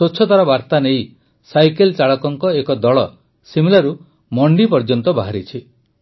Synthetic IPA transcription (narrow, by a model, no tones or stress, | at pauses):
soːt͡ʃʰːɔt̪aɾɔbaɾt̪anej | sajkelt͡ʃaɭɔkɔŋkɔekɔd̪ɔɭɔ | similaɾu | mɔɳɖipɔɾd͡ʒɔnt̪ɔbaɦaɾit͡ʃʰi